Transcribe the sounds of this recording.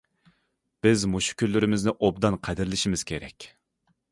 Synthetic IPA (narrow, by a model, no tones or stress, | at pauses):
b̥ɪzmoʃu̥kʲʰylːyɾɪmɪznɪʔobd̪ɑnqʰæd̪ɪɾlɪʃimɪz̥kʲʰeɾɛ̰kʲ